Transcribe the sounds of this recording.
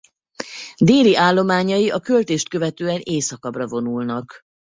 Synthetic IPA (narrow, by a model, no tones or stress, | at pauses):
d̪eːliʔaːlːo̞maːɲɒjiʔɒkø̞lt̪eːʃt̪̚kø̞vɛt̪øːɛneːsɒkɒbrɒvo̞nulnɒk